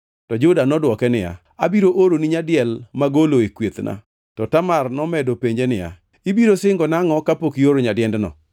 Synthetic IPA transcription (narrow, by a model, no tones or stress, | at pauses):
tɔd͡ʒʊdanɔdwɔkɛnɪja̰ | abiɾoʔoɾoniɲadɪɛlmaɡoloekwet̪nʔa̰ | tɔtamarnɔmɛdopeɲd͡ʒenɪja̰ | ibiɾosɪŋɡɔnaŋɔkapokioɾoɲadɪɛndnɔ̰